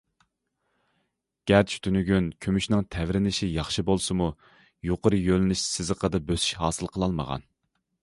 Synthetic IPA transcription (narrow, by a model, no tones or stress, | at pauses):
ɡ̥ʲɛɾt͡ʃʰy̥t̪ʰynyɡʲynkʲʰømyʃnɪŋt̪ʰɛvɾɪnɪʃijɑχʃɨbolˠsɨmu | joqəɾɨjølɪnyʃsɪzəqʰəd̪ɨbøsy̥ʃhɑːsɨlˠqʰəlˠɑlˠmə̰ʁɑ̰n